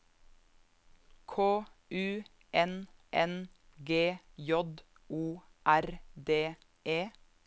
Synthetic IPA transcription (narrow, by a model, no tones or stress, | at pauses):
kʰoːʔʉː | ʔɛnʔɛnɡeːjɔd̪ | uː | ʔæɾd̪eː | ʔeː